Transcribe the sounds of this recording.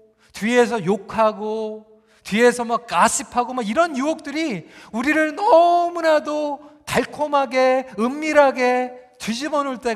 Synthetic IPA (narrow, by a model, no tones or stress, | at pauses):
tɥie̞s̬ʰʌjokʰaɡo | tɥie̞sʰʌmak̚k͈aɕʰipʰaɡomaɡiɾʌnjuok̚t͈ɯɾiuɾiɾɯɭnʌmunadotaɭkʰomɦaɡe̞ɯmːiɾɦaɡe̞tɥid͡ʑibʌnuɭt͈e̞